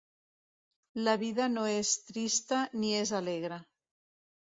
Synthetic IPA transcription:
laβ̞iðənoest̪ɾist̪əniezaleɣɾə

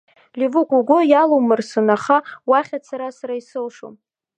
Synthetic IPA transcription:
livukʷuɡʷʊjalowmɨrsɨnaχawaχʲat͡sʰaɾasaɾaisɨlʂo̰m

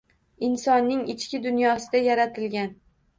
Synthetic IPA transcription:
ɪnsɒnːɪŋɪt͡ʃkʲɪd̪ʊnjɒsɪd̪ajaɾat̪ʰɪlɡʲan

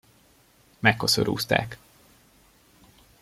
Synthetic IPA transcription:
mɛkːosøɾʔṵːst̪a̰ːk

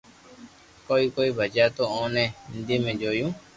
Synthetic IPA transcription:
koikoibʱəd͡ʒat̪oõːnẽhind̪imẽd͡ʒojũ

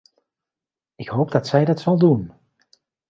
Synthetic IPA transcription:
ɪkɦowp̚dɑtsɛjdɑtsɑlˠdun

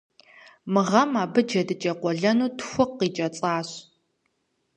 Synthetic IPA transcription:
mɨʁɐmaːbɨd͡ʒɐdɨt͡ʃʼɐqʷɔɮɐnuːtʰxʷʊqːiːt͡ʃʼɐt͡sʼaːɕ

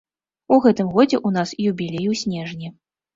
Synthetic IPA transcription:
uɣɛt̪ɨmɣɔd͡zʲɛʔunasjubʲilʲejuwsʲnʲɛʐnʲi

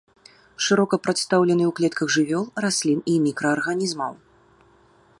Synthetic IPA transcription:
ʂɨɾɔkɐpɾat̪st̪awlʲɛnɨwklʲɛt̪kɐɣʐɨvʲɔlˠrasʲlʲinimʲikɾɐːrɣanʲizmɐw

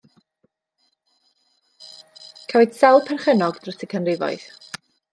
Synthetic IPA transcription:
kʰawɨd̥sɛlˠpʰɛrχənɔɡd̥rəsʰɪkʰənrɪvɔ̰ɨθ

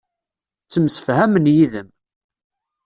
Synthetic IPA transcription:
t͡sːəmsə̥fhæmənjiðəm

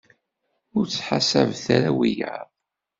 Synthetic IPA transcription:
ʊɾt͡sːħasævθæɾæwijə̰ðˤ

